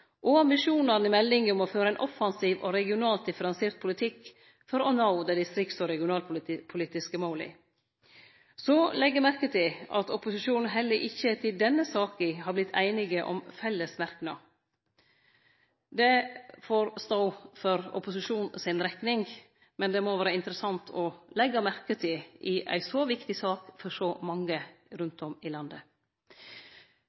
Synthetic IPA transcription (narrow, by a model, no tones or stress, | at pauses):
ʔɔɑmɪʃuːnɑɾnɪmɛlːɪŋəɔmɔføːɾəæɪnʔɔfɑnsiːʋɔ̰ɾɛɡɪʊnɑːlt̪̚d̪ɪfəɾɑnseːɾt̪̚pʰʊlɪt̪ʰɪkː | fɔɾɔnɑʊd̪ɛd̪ɪst̪ɾɪkt̪sɔɾɛɡɪʊnɑːlpʰʊliːt̪ɪskəmɑʊlɪ̰ | sɔlɛɡːəɾmæɾkət̪ʰɪlɑ̰t̪ʰɔpʊsɪʃuːnn̩ɦɛlːəʔɪçːət̪ʰɪld̪ɛnːəsɑːkəhɑɾblɪt̪ʰæ̰ɪnɪɡəʔɔ̰mfɛlːəsmæɾknɑ | d̪ɛfoːɾst̪ɑʊfɔɾɔ̰pʊsɪʃuːnsɪnɾɛk̪nɪŋ | mɛnd̪ɛmoʋæːɾəɪnt̪əɾəsɑnt̪ʰɔlɛɡːɑmæɾkət̪ʰɪɪʔæ̰ɪsɔʋɪkt̪ɪsɑːkfɔʂɔmɑŋːəɾʉnt̪ɔmɪlɑnd̪ə